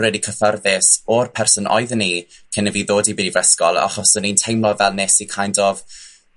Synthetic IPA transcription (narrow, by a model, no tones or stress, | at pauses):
rɛdikʰəfərðɪsɔrpʰɛrsɔnʔɔ̰jðənikʰɪnəviðoːdibɪdivɛskɔlˠa̰χɔsənintʰejmlˠɔvɛlˠnesikʰajndɔv